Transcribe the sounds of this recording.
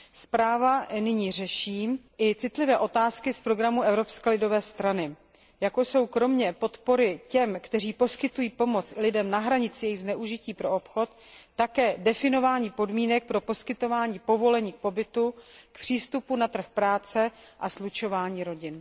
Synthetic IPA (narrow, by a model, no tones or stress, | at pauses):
spɾaːvanɪɲiːrɛʃiːmʔɪt͡sɪt̪lɪvɛːʔo̞t̪aːskɪspɾo̞ɡɾamuʔɛvɾo̞pskɛlɪdo̞vɛːst̪ɾanɪ | jakojso̞wkɾo̞mɲɛpo̞t̪po̞ɾɪcɛmkt̪ɛr̝iːpo̞skɪt̪ujiːpo̞mo̞t͡sɪlɪdɛmnaɦɾaɲɪt͡sɪjɛjɪɣznɛʔuʒɪciːpɾo̞opxo̞t̪ː | akɛːdɛfɪno̞vaːɲiːpo̞dmiːnɛk̚pɾo̞po̞skɪt̪o̞vaːɲiːpo̞vo̞lɛɲiːk̚po̞bɪt̪ukpr̝̥iːst̪upunat̪r̩xpɾaːt͡sɛʔaslut͡ʃo̞vaːɲiːɾo̞ɟɪn